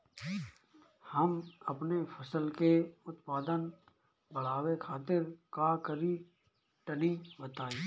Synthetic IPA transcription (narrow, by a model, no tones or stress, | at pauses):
həmɐpnepʰəsəlkeʊt̪paːd̪ən | bɐɽ̤aːwekʰaːt̪ɪɾkakəɾi | ʈənibət̪aːiː